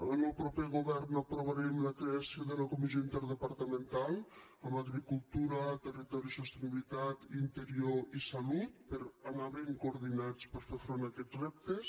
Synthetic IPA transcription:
lnowpɾɔpeɣoβɛɾnapɾoβaɾemlakɾeasjoðelakomizjoint̪eɾðepaɾt̪amẽnt̪al | amaɣɾikult̪uɾat̪erit̪ɔɾjisost̪eniβilit̪at̪int̪eɾjoisalut̪̚peɾanaβeŋkoːɾðinat͡speɾfeɾfɾonakɛrɛp̚t̪es

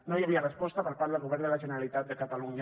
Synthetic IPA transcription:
nõjaβ̞iarespɔst̪apəɾpaɾt̪ðelɣoβɛɾnd̪elaʒeneɾalit̪at̪̚d̪ekat̪aluɲ

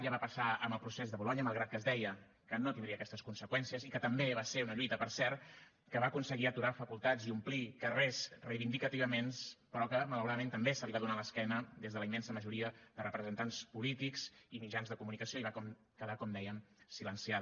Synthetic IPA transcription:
ʎəβapəsaəməlˠpɾusezðəβulɔɲəmalˠɣɾat̪kəzd̪ɛjə | kənot̪ind̪ɾiəkɛst̪əskunsəkwɛnsijəzikət̪əmbeβaseɾunəʎujt̪əpəɾsɛɾt̪ | kəβaəkunsəɣiət̪uɾafəkulˠt̪ad͡ziumplikərezrəjβind̪ikət̪iβəmenspəɾɔkəmələwɾaðəmẽnt̪əmbesəliβaðunaləskɛnəd̪ezðələimːɛnsəməʒuɾiəðərəpɾəzənt̪anspulit̪ikz̥imid͡ʒanzðəkumunikəsioiβakɔm | kəðakɔmd̪ɛjəmsilənsiað

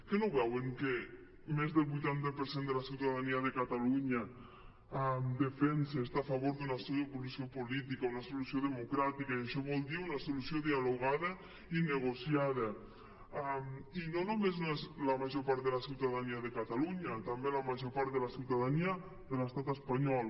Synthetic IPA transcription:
kenoβɛweŋke | mezðelβujt̪ant̪apeɾsend̪elasiwt̪aðaniaðekat̪aluɲa | md̪efɛenseːst̪aːfaβoɾðunasoopolusiopolit̪ikaunasolusjoðemokɾat̪ikaaʃɔβɔlˠd̪iunasolusjoðialoɣ̞aðə | ineɣ̞osjaðə | aminonomeznoezlamaʒopaɾt̪ðelasiwt̪aðaniaðekat̪aluɲat̪ambelamaʒopaɾt̪ðelasiwt̪aðania | ðelest̪at̪espaɲɔl

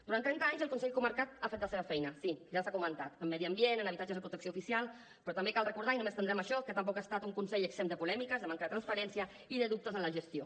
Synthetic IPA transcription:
d̪̥uɾant̪ɾɛnt̪aɲzəlˠkunsɛʎkuməɾkat̪̚afet̪ləseβfɛjnəsiʒasakumənt̪at̪əmːɛðiəmbienənəβit̪at͡ʃəzðəpɾut̪əksioufisialˠ | pɾɔt̪əmbekalˠrəkuɾð̞ainũmest̪ənɾɛməʃɔkət̪əmp̬ɔkast̪at̪uŋkunsɛʎəksemd̪əpulɛmikəzðəmaŋkəðət̪ɾənspəɾɛnsiə | iðəðup̚t̪əzənləʒəst̪io

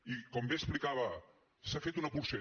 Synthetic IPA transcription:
ikɔmbesplikaβɐ | safet̪unɐpuɾse

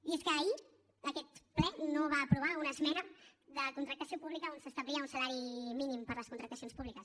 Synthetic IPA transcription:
ieskəeʎ | əkɛt̪plɛnoβaːpɾuβ̞aunəzmɛɾəðəkunt̪ɾək̚t̪əsiopuβlikəonsəst̪əβliəunsəlaɾiminimpəɾləskunt̪ɾək̚t̪əsionspuβlikəs

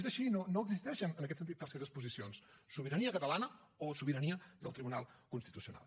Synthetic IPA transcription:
zəʃinonoəɡzist̪ɛʃənənəkɛtsənt̪it̪paɾskezəspuzisionsː | uβiɾəniəkət̪əlanə | osuβiɾəniəðəlˠt̪ɾiβunalˠkunst̪it̪usiuna̰lˠ

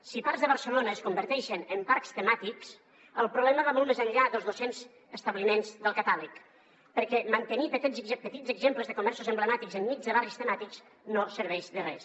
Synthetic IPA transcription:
sipaɾzðəβəɾsəlonəəskumbəɾt̪ɛʃənəmpaɾkst̪əmat̪iks | əlˠpɾuβlɛməβamɔlˠmezənʎaðəlˠzðosenz | əst̪əβlimenzðəlˠkət̪alək | pəɾkɛmənt̪ənipət̪ɛzpət̪id͡zəɡzempləzðəkumɛɾsuzəmbləmat̪ikɡzənːizðəβarist̪əmat̪ikz | nosəɾβɛʒðərɛ̰s

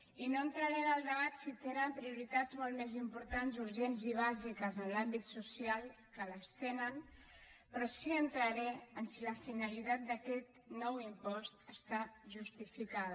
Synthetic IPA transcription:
inoənt̪ɾəɾɛnəlˠd̪əβat̪sit̪eɾampɾiuɾit̪ad͡zmolˠmezimpuɾt̪anzuɾʒɛnziβ̞azikəzənlambit̪susialˠ | kələst̪enən | pɾɔsiənt̪ɾəɾɛənsiləfinəlit̪at̪̚d̪əkɛt̪ | nɔwimpɔst̪əst̪aʒust̪ifikað

